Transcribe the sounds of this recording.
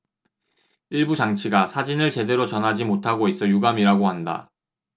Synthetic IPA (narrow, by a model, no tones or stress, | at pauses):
iɭbut͡ɕaŋt͡ɕʰiɡasʰad͡ʑinɯɭt͡ɕe̞de̞ɾot͡ɕʌnɦad͡ʑimotʰaɡois͈ʌjuɡamiɾaɡohanda̰